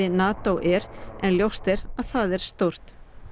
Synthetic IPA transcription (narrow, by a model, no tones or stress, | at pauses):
ɪnaːt̪owʔɛɾɛnljowst̪ɛɾaðθaðɛɾ̥st̪owr̥t̪